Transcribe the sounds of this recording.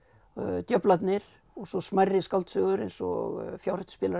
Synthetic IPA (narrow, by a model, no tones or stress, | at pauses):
t̪jœplat̪nɪɾ̥ | ɔɣsɔsmajrːɪskalt̪sœɣʏɾḛjnsɔ̰ɣfjawɾ̥t̪spɪːla